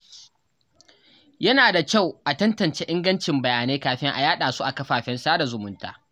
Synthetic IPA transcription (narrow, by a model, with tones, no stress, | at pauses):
jɐ˦naː˨da˨kʲa˦˨wʔa˨tɐ˦ntɐ˨nt͡ʃeː˦ʔɪ˦ŋɡɐ˦nt͡ʃɪ˨mbɐ˨jaː˨neː˦kaː˨ɸɪ˦ŋʔa̰˨jaː˦ɗaː˨su˦ʔa˨kɐ˦ɸaː˨ɸɛ˦nsaː˦da˨zʊ˨mʊ˦nta̰ː˨